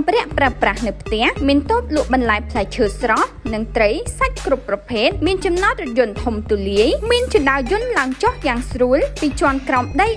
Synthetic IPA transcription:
prɛ̆əʔpraəprahnɨwpʰt̪ɛ̆əhmiənt̪oːt̪̚lŭəʔɓɑnlaɛjpʰlak̚t͡ɕʰəːsrɑːp̚nɨŋt̪rəjsac̚krupːrɑpʰeːt̪̚miənt͡ɕɑmnɑt̪̚r̚jʊ̆nt̪ʰumt̪uliəjmiənt͡ɕuɗaəjʊ̆ənlaəŋt͡ɕohjaːŋsruəlpiːt͡ɕŏənkraɔmɗəj

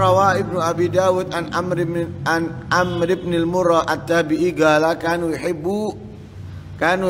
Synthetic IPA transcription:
awaʔɪb̚nuabidawʊt̪anamɾanʔamɾɪbnilmʊɾaʔat̪ːabiʔiɡalakanwiħɪbu | kan

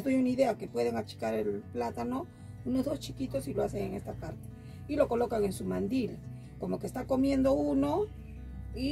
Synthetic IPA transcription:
zðojunaiðe̞ake̞pwe̞ðeŋat͡ʃi̥kaɾe̞lplat̪ano̞ | uno̞zðo̞st͡ʃikit̪o̞siloaseŋeŋe̞st̪apaɾt̪e̥ | ilo̞ko̞lo̞kaŋe̞nsumand̪il | ko̞mo̞kest̪ako̞mje̞nd̪o̞uno̞ | i

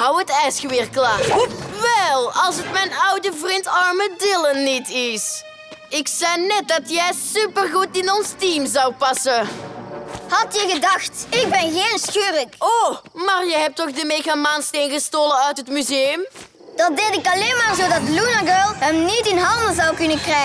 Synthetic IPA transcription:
ɦɑwətɛjsxəʋɪːrklaːʋɛlˠɑlˠsətmɛjnʌwdəvrintɑrmədɪlənitɪs | ɪksɛjnɛt̚dɑtjɛjsypərɣutɪnɔnstimzɑwpɑsə | hɑtjɛɣədɑxtɪk̚bɛnɣeːnsxøːrəkomaːrjəɦɛp̚tɔχdəmeːɣamaːnstejnɣəstoːlənœɥtɦətmyzejəm | d̥ɑdeltɪkɑleːmaːrzodɑtlunaɡølˠɦəmnitɪnɦɑndəzɑwkɵnəkrɛ

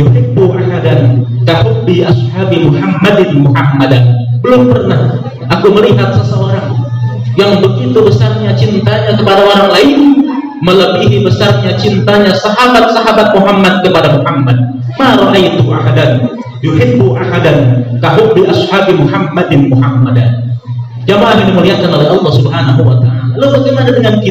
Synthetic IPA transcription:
juhɪbːuʔaɦadankahʊːiʔashabimuhamːadɪnmuhamːadanbəlʊmpərnah | ʔakuməliɦat̪̚səsaoɾaŋ | jaŋbəɡit̪ubəsarɲat͡ʃint̪aɲakəpadaoɾaŋlaɪn | mələbiɦibəsarɲat͡ʃint̪aɲasaɦabat̪̚saɦabat̪̚muɦamːad̪̚kəpadamuhamːad̪̚ | maɾoʔajt̪ʊʔaɦadan | juħɪbːʊʔahadank̪aɦʊbiʔashaːbimuhamːadɪnmuhamːadan | d͡ʒamaʔaɦiniməliɦat̪̚kanoleɑlˠːɑhsubɦanaɦuwat̪aʔalalawaɡaŋadadəŋanki

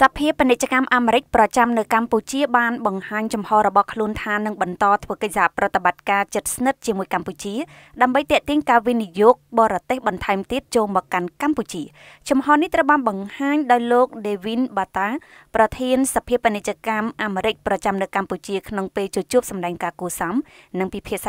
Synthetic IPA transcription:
sapʰiəpinɨc̚t͡ɕəkamʔaːmeːɾɨc̚prɑt͡ɕamnɨwkamput͡ɕiəɓaːnɓɑŋhaːɲt͡ɕumhɑːɾɔɓɑhkʰluənt̪ʰaːnɨŋɓɑnt̪ɑːt̪ʰʋəːkəc̚saprɔt̪ːeɓat̪̚kaːt͡ɕɨt̪̚snɨt̪̚t͡ɕiəmuəjkamput͡ɕiə | ɗaəmɓəjt̪ɛ̆əʔt̪iəɲkaːʋinijoːk̚ɓɑːɾɑt̪eːhɓɑnt̪ʰaɛmt̪iət̪̚t͡ɕoːlmɔːkːankamput͡ɕiə | t͡ɕumhɑːniht̪rəwɓaːnɓɑŋhaːɲɗaɔjloːk̚ɗeːʋinɓaːt̪aː | prɑt̪ʰiənsapʰiəpənɨc̚t͡ɕiəkamʔaːmeːɾɨc̚prɑt͡ɕamnɨwkamput͡ɕiəkʰnoŋpeːlt͡ɕoːt͡ɕŭəp̚sɑmɗaɛŋkaːkuəsamnɨŋpipʰiəʔsa

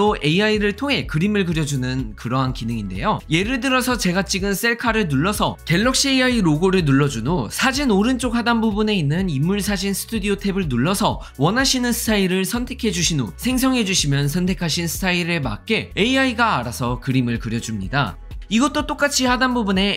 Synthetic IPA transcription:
oe̞iaiɾɯɭtʰoŋɦe̞kɯɾimɯɭkɯɾjʌd͡ʑunɯnkɯɾʌɦankinɯŋinde̞̰joje̞ɾɯɭdɯɾʌsʰʌt͡ɕe̞ɡat͡ɕ͈iɡɯns͈e̞ɭkʰaɾɯɭnuɭːʌsʰʌke̞ɭːʌk̚ɕ͈ieiaiɾoɡoɾɯɭnuɭːʌd͡ʑunosʰad͡ʑinoɾɯnt͡ɕ͈ok̚hadanbubune̞inːɯnimːuɭsʰad͡ʑinsʰɯ̥tʰudiotʰe̞bɯɭnuɭːʌsʰʌ | wʌnaɕʰinɯnsʰɯ̥tʰaiɾɯɭsʰʌntʰe̞kʰe̞d͡ʑuɕʰinosʰe̞ŋs̬ʰʌŋɦe̞d͡ʑuɕʰimjʌns̬ʰʌntʰe̞kʰaɕʰinsʰɯ̥tʰaiɾɯɭma̰k̚k͈e̞eiaiɡaːɾasʰʌkɯɾimɯɭkɯɾjʌd͡ʑumɲida̰ | iɡʌt͈ot͈ok͈at͡ɕʰihadanbubune̞

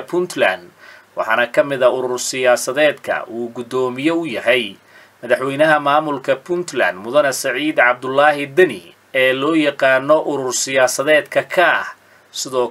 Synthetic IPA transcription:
bʰʊnt̪ʰla̰nd̪wɑħɑːnɐkʰɐmɪðɐʊɾʊrsɪjaːsɐðɛːd̪kʰɐ̰ʔuːɡʊd̪ɔːmɪjɔʊjɐɦɛj | mɐðɑħwɛjnɐɦɐmaːmʊlkʰɐbʰʊnt̪lɐ̰nd̪mʊðɐnɐsɐʕiːd̪ʕɑb̚d̪ʊlːɑːɦɪd̪ɐnɪ | ɛːlɔːjɑqɑːnɔʔʊɾʊrsɪjaːsɐðɛːd̪kʰɐkʰɐh | sɪðɔː

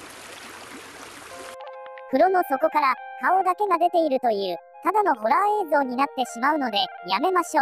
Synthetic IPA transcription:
kɯ̟ɾo̞no̞so̞ko̞kaɾakao̞d̪ake̞ɡad̪e̞t̪e̞iɾɯ̟t̪o̞jɯ̟ː | t̪ad̪ano̞ɦo̞ɾae̞ːzo̞ːɲ̟inat̪ːe̞ɕimaɯ̟no̞d̪e̞jame̞maɕo̞ː

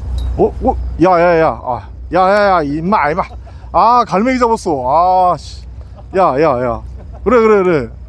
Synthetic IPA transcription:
okojajajaa̰ | jajajaimːama | akaɭmeɡid͡ʑabos͈oaɕ | jajaja̰ | kɯɾekɯɾekɯɾe

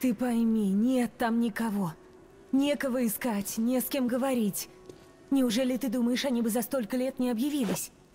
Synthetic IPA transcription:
t̪ɨpɐjmʲinʲe̞t̪ːamnʲɪkɐvo̞ | nʲe̞kəvəɪskatʲnʲeskʲemɡəvɐɾʲitʲ | nʲɪʊʐɛlʲɪt̪ɨd̪uməjɪʂɐnʲibɨzɐst̪o̞lʲkəlʲe̞t̪nʲɪɐbjɪvʲilʲˠɪsʲ

